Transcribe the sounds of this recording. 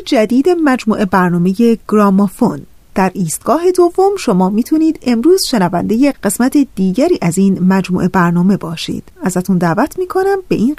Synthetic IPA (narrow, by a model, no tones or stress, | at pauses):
d͡ʒæd̪iːd̪emæd͡ʒmuːʔe̞bæɾnɒːme̞je̞ɡ̥ɾɒːmofon | d̪̥æɾiːst̪̚ɡ̥ɒːɦe̞d̪o̞vːo̞mʃo̞mɒːmiːt̪ʰuniːd̪̥e̞mɾuːz̥ʃe̞nævænd̪e̞jeɢe̞smæt̪ʰed̪̥iːɟæɾiːʔæziːnmæd͡ʒmṵːʔe̞bæɾnɒːme̞bɒːʃḭːd̪̥æzæt̪ʰund̪æːvæt̪ʰmiːkʰo̞næmbe̞ʔiːn